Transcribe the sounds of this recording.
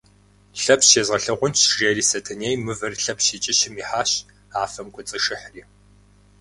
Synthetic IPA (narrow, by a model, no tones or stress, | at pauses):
ɬɐpsʃeːzʁɐɬɐʁʷʊnt͡ʃʒeːriːsɐtʰɐneːjmɨvɐrɬɐpʃit͡ʃʼɪɕɪmiːħaːɕ | aːfɐmkʷʰʊt͡sʼɨʂɨħriː